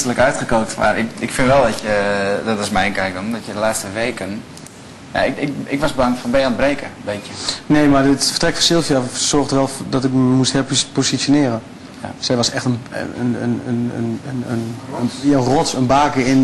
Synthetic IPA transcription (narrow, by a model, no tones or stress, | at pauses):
tələkœɥtχəkoːktma̰rɪkɪkfɪnʋɛlˠdɔtjədɔtɪsmɛjnkɛjk̚ondɔtjədəlaːt͡sstəʋeːkən | ja̰ɪkɪkɪkʋɔsbəaŋfɔnbɛənbreːkəəbeːkjəneːmadɪtfə̥rtrɛkfɔsɪlˠfiasɔrxtʋɛlˠdɔtɪkməmusthɪpspositsjonɪəɾən | sɛjʋɔsɛxtən̰ənənə̰nə̰nənnjaərɔsənbaːkəɪn